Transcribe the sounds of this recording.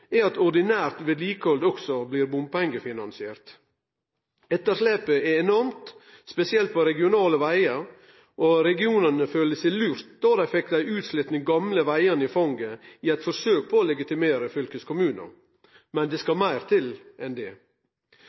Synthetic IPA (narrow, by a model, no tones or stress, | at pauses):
ɛɑt̪ɔɾɖ̪ɪnæːɾt̪ʋeːd̪liːkəhɔld̪ɔɡsɔbliːɾbʊmpɛŋɡəfɪnɑnsɪeːɾt̪ | ɛt̪ːəʂleːpəɛɛnɔɾmt̪ | spɛsɪɛlt̪̚pʰɔɾɛɡɪʊnɑːləʋæɪəɾ | ʔoɾɛɡɪuːnənəføːləsæɪlʉːɾt̪̚d̪̥oːd̪æfɛk̚d̪æɪʉːt̪slɪt̪nɪɡɑmləʋæɪənəɪfɔŋɡəiːæɪt̪fɔɾsøːk̚pʰɔoːlɛɡɪt̪ɪmeːɾəfʏlkəskʊmʉːnə̰ɾ | mɛnd̪ɛskɑmæɪɾt̪ʰɪlʔɛnd̪ɛː